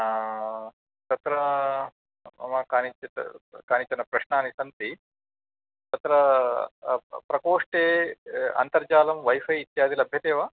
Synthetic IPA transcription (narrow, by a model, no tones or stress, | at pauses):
t̪ɐt̪ɾɐ | ɐ̰maːkaːnit͡ʃɐ̰kaːnit͡ʃɐnɐpɾɐʃnaːnisɐnt̪i | t̪ɐt̪ɾɐ | pɾɐkoːʂʈeːɐ̰nt̪ɐɾd͡ʒaːlɐmʋɐjfɐjit̪jaːd̪ʱilɐbʱjɐt̪eːʋaː